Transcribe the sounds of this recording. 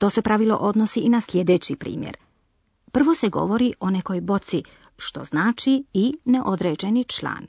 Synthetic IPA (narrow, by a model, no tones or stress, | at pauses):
t̪o̞ːse̞pɾaʋilˠo̞̰ʔo̞d̪no̞siinaslʲje̞d̪e̞ːt͡ɕipɾḭːmjḛɾ | pr̩ʋo̞se̞ɡo̞̰ʋo̞ɾiʔo̞ne̞ko̞jbo̞t̪si | ʃt̪o̞̰znaːt͡ʃiineʔo̞d̪ɾeːd͡ʑe̞nit͡ʃlˠa̰ːn